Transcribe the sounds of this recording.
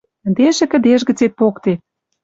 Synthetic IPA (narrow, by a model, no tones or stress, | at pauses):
əd̪eʃĕkə̆d̪eʃɣə̆t͡set̪̚pokt̪e